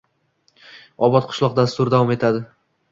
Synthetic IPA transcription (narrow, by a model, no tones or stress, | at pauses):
ɒbɒt̪̚qʰʊ̥ʃlˠɒq̚d̪ast̪ʊɾd̪avɒme̞t̪ʰad̪ɪ